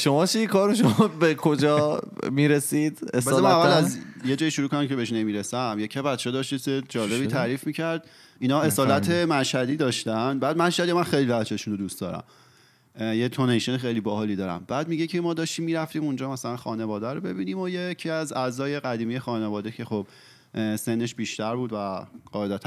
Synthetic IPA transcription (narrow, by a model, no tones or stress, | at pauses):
ʃomɒːt͡ʃʰijekʰɒːɾoʃomɒbekʰod͡ʒɒːmiːɾesid̪esæsemænnævːælæzjed͡ʒɒːjiʃuɾukʰonæmcʰe̞be̞eʃnemiːɾesæmjecʰebæt̪t͡ʃʰːed̪ɒʃt̪iːsed͡ʒɒːle̞biːt̪ʰæɾiːfmiːcʰæɾd̪̥ | inɒːe̞sɒːlæt̪ʰe̞mæʃhæd̪iːd̪ɒːʃt̪ænbæːd̪mæʃhæd̪ijɒmænxejlivæt͡ʃʰeʃuːnod̪ust̪d̪ɒ̰ːɾæ̰m | jet̪ʰonejʃenexejliːbɒɦɒliːd̪ɒːɾæ̰mbæːd̪miɟecʰemɒːd̪ɒːʃt̪iːmːiːɾæft̪iːmund͡ʒɒːmæsælænxɒːne̞vɒːd̪æɾobe̞biːniːmo̞jecʰiæzæzɒːje̞ɣæd̪iːmije̞xɒːnevɒːd̪ecʰe̞xob̥ | se̞nːeʃb̥iːʃt̪æɾbuːd̪væɢ̥ɒːed̪æt̪ʰæ